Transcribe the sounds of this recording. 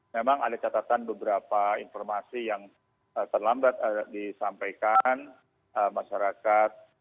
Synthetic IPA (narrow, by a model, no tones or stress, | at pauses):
memaŋa̰dat͡ʃat̪at̪anbəbəɾapainfɔrmasijaŋ | ət̪ərlambat̪disampajkan | əmːaʃaɾakat̪̚